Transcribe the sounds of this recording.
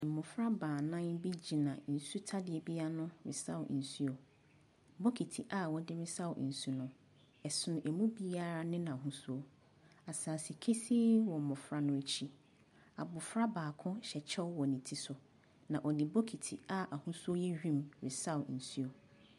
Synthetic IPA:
m̩˨mʊ̃˨fɾa˦baː˨nã˦nbi˦d͡ʑi˨nã˨n̩˨su˦tʰa˦dɪ˨ɛ˨bi˦a˦nʊ̃˦ɾɪ̰˨sa˦wn̩˨su˦o˨ | bo˦kʰi˨tʰi˨ʔa˦wɔ˦dɪ˦ɾɪ˦sa˦˨wn̩˨su˦nʊ̃˦ | ɛ˨sʊ˦nʊ̃˨ʔɛ˨mũ˦bi˦a˦˨ɾa˦nɪ̃˦nã˨a˨ɦũ˦su˦o˦ | a˨saː˨si˨kʰe˦si˦wɔ˨mʊ̃˨fɾa˦nʊ̃˦e˨t͡ɕʰi˦ | a̰˨bʊ˨fɾa˦baː˨kʰʊ̃˦ɕɛ˨t͡ɕʰɛ˦wwɔ˨nĩ˨tʰi˦sʊ˨ | nã˨ʔɔ˨dɪ˨bo˦kʰi˨tʰi˨a˦ʔa˨hũ˦su˦o˦jɛ˦ɥᶣĩ˦mɾɪ˨sa˦wn̩˨su˦o˨

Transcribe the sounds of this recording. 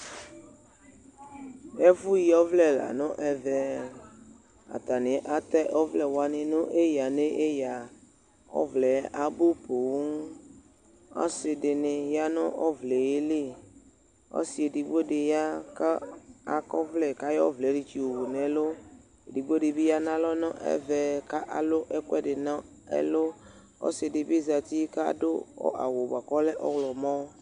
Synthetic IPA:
e˦vu˦ji˨jɔ˦vlɛ˦la̰˨nʊ̃˦ʔɛ˨vɛ˨ | a̰˨t̪a˨nɪ̃˨ʔa˨t̪ɛ˦ʔɔ˦vlɛ˨wa˨nɪ̃˨nʊ̃˦ʔe˦ja˨nẽ˦ʔe˦ja˨ | ɔ̰˦vlɛ˨a˨bu˦po˨w | ɔ̰˦sɪ˨dɪ˨nɪ˨ja˦nʊ̃˦ʔɔ˦vlɛ˨je˦le˦˨ | ɔ̰˦si˨e˨ɖi˨ɡ͡bo˦ɖe˨ja˦ka˦a˨kɔ˦vlɛ˦˨ka˦jɔ̰˦vlɛ˨˦ɖi˨t͡ʃi˨wo˨wo˨nɛ̃˨lo˦˨ | di˨ɡ͡bo˦ɖe˨bi˦ja˦nã˦lɔ˦nɔ̰̃˦ʔɛ̰˦vɛ˨ka˦ʔa̰˨lo˦ʔɛ˦kɛ˦ɖɪ˨nã˦ | ḛ˦lo˦ | o̰˦se˨dɪ˨be˦za˨t̪i˦ka˦do˦ɔ̰˦ʔa̰˨wo˨ba˨kɔ˦lɛ˦ʔɔ̰˦wlɔ˨mɔ̃˦

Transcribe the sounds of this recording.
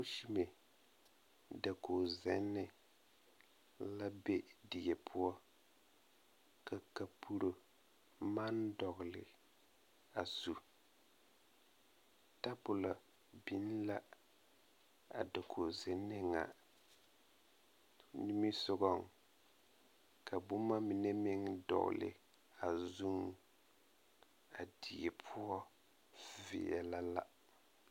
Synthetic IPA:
o˦ʃi˦me˨ | da˨kʰo˨zɛ˨˦nːɪ˨ | la˦be˦di˨ɛ˨pʰʊ˦ɔ˦ | ka˨ka˨pʰu˦ɾo˨ | ma˦ndɔ˨ɣɪ˨lɪ̰˨ | a˨zu˨ | ta˦bʊ˨la˨ | bi˨˦n˦la˦ | a̰˨da˨kʰo˨ze˨nːɪ˦ŋa̰˨ | ni˦mi˦sʊ˦ɣɔ˦ŋ | kʰa˨bu˦ma˦mi˨ne˦mɪ˦ŋdɔ̰˨ɣ̰lɪ̰˨ | a˨zu˦ŋ | a˨di˨e˨pʰʊ˦ɔ˦ | vɪ̰˨ɛ̰˨la˦la˦

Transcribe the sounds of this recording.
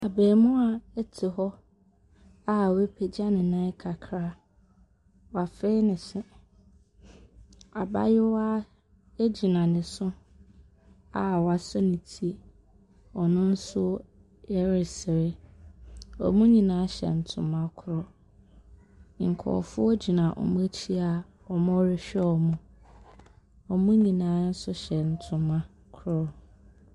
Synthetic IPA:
a˨beː˨mʊ̃˦a˨ɛ˦tʰɪ˨hɔ˦ | a˦˨we˦pʰe˨d͡ʑa˦nɪ̃˨nã˦kʰa˨kʰɾaː˦ | wa˨fe˦nɪ̃˨sɪ˨ | a˨ba̰˦jɪ˦wa˦ | e˦d͡ʑi˨nã˨nɪ̃˨sʊ˦ | a̰˦wa˨sɔ˦nĩ˨tʰi˨e˨ | ɔ˨nʊ̃˦n̩˦sʊ˦ | ɛ˦ɾɪ˨sɪ˨ɾɪ˦ | ɔ̰˨mũ˦ɲĩ˨nãː˨˦ɕɛ̰˨n̩˨tʰʊ̃˨mã˦kʰʊ˦ɾɔ˦ | ŋ̩˨kʰɔ̰˨fʊ˦ɔ˦d͡ʑi˨nã˨ʔɔ̰˨mũ˦æ˦t͡ɕʰi˦a˨ | ɔ˨mɔ̃˦ɾɪ˦ɕᶣɛ˦ɔ˨mũ˨ | ɔ˨mũ˦ɲĩ˨nãː˨˦n̩˦sʊ˦ɕɛ˨n̩˨tʰʊ̃˨mã˦ | kʰʊ˦ɾɔ˦

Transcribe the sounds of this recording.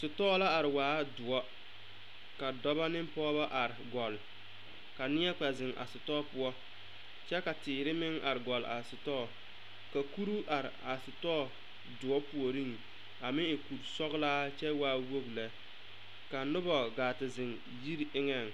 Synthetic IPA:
sʊ˨tɔː˦la˦a˨ɾɪ˨waː˨˦dʊ˨ɔ˦ | ka˨dɔ˦ba˦nɪ˦m˦pɔː˦ba˦ʔa˨ɾɪ˨ɡɔ˨l | ka˨nɪ˦ɛ˦k͡pa˨zɪ˨ŋʔa̰˨sʊ˨tɔː˦pʊ˦ɔ˦ | t͡ʃɛ˦ka˨tɪː˨ɾɪ˦mɪ˦ŋa̰˨ɾɪ˨ɡɔ˨la̰˨sʊ˨tɔ˦˨ | ka˨ku˦ɾu˦ʔa˨ɾɪ˨a˨sʊ˨tɔː˦˨ | dʊ˨ɔ˦pu˨o˨ɾi˦ŋ | a˨mɪ˦ɪ˨ku˨ɾsɔ˦ɣlaː˦t͡ʃɛ˦waː˨˦wo˦ɡlɛ˨ | ka˨nʊ˦bɔ˨ɡaː˨tɪ˨zɪ˨ŋ | ji˦ɾɪ˦ŋɛ˦˨ŋ

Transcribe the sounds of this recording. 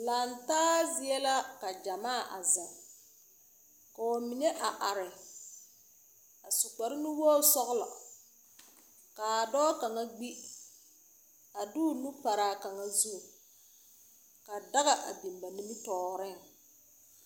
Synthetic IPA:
la˨ntaː˦zɪ˦ɛ˦la˦ka˨d͡ʒa˨maː˦˨ʔa̰˨za˨ | ka˨wɔ˨mi˨nɛ˦ʔa˨ʔa˨ɾɪ˨ | a˨sʊ˨k͡pa˨ɾɪ˦nɪ˦wɔː˦sɔ˦ɣlɔ̰˨ | ka˨dɔː˦ka˨ŋa˦ɡ͡bi˦ | a˨dʊ˦nu˦pa˨ɾaː˨ka˨ŋa˦zu˦˨ | ka˨da˦ɣa˨ʔa̰˨bi˨mba˨nɪ˦mi˦tɔː˨˦˨ɾɪ˦˨ŋ

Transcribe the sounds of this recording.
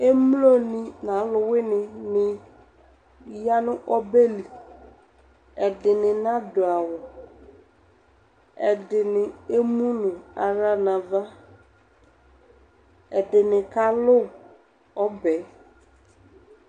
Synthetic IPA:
e˦mlo˦nɪ̃˨nã˨˦lʊ˨wɪ˦nɪ̃˨nɪ˨ | ja˦nʊ̃˦ʔɔ˦be˦li˨ | ɛ˨dɪ˨nɪ̃˨nã˦dʊ˨a˨wɔ˨ | ɛ˨dɪ˨nɪ˨e˦mũ˦nʊ̃˨a˨ɾa˦nã˨va˦ | ɛ˨dɪ˨nɪ̃˨ka˦lʊ˦˨ | ɔ˦bɛ˨˦

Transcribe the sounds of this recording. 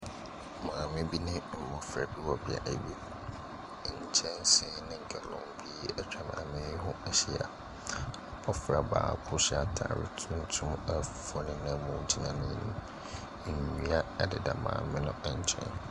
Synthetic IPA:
mãː˨mɪ̃˦bi˦nɪ̃˦m̩˨mɔ̃˨fɾa˨bi˦wɔ˨bɪ˨a̰˨ʔæ̰˨bi˦˨ | ɲ̩˨t͡ɕʰɛ̃˦nsɪ˦nɪ̃˦ŋ˨ɡɛ˨lɔ̰̃˦mbi˦ɛ˦t͡ɕʰᶣa˨mã̰ː˨mɪ̃˦ɦʊ̃˦ɛ˨ɕi˦a̰˨ | ɔ˦fɾa˨ba̰ː˨kʰʊ˦ɕa˨tʰa̰ː˨ɾɪ̰˦tʰũ˦n˦tʰʊ̃˦mɛ˦fɔ˨nɪ̃˨nã˦mɔ̃˨˦d͡ʑi˨nã˨nɪ̃˦˨ñ̰̩˦˨ | i˦a˦ɛ˦dɪ˨da˨mã̰ː˨mɪ̃˦nʊ̃˦ɛ˨ɲ˦t͡ɕʰɛ̰̃˦n

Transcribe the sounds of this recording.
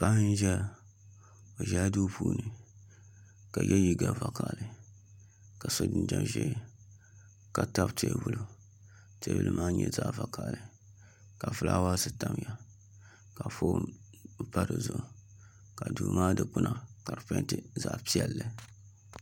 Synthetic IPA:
pa˦hn˦ʒɛ˦ | o˨ʒɛ˦du˦pʰuː˦nɨ˨ | ka˨jʔɛ˦ji˦ɡa˨va˨ka˨lɨ˨ | ka˨so˦dɨ˦n˦d͡ʒa˦˨ʒɛ˦ | ka˨ta˦btʰḛ˦˨vu˦lu˦ | te˦bɨ̰˦lɨ˦mʔaː˦ɲɛ˦za˦ʔva˨ka˨lɨ˨ | ka˨vɨ˨lʔa̰˦wa˦sɨ˦ta˦mja˨ | ka˨fo˦ | pa˦ɾɨ˨zʊ˨ | ka˨duː˨maː˦dɨ˨k͡pʊ˦nʔa˨ka˨ɾɨ˨pa˦tɨ˦za˦ʔpi˦ɛ˨lːɨ˨

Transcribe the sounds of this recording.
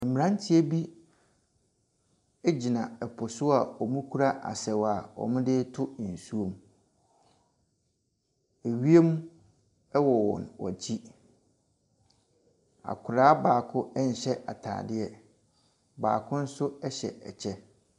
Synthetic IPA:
mĩ˨ɾã˦n˦tʰɪ˦e˦bi˦ | e˦d͡ʑi˨nã˨ɛ˨pʰʊ˨sʊ˦a˨ɔ˨mũ˦kʰu˦ɾa˦ʔa̰˨sɛ˨wa˨ɔ̰˨mʊ̃˦dɪ˦tʰʊ˦n̩˨su˦o˦m˦ | e˨ɥi˦e˦mũ˦ | ɛ˦wɔ˨wɔ̰̃˨nwɔ̰˨t͡ɕʰi˦ | a̰˨kʰʊ˨ɾaː˦baː˨kʰʊ˦ɛ˦ɲ̩˨ɕɛ˦ʔa̰˨tʰa̰ː˨dɪ˦ɛ˦ | baː˨kʰʊ̃˦n̩˦sʊ˦ɛ˦ɕɛ̰˨ɛ̰˨t͡ɕʰɛ˦

